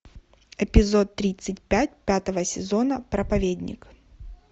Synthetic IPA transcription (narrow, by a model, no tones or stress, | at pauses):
ɪpʲɪzo̞t̪ːɾʲit̪sɨtʲpʲæt̚ʲpʲat̪əvəsʲɪzo̞nəpɾəpɐvʲedʲnʲɪ̰k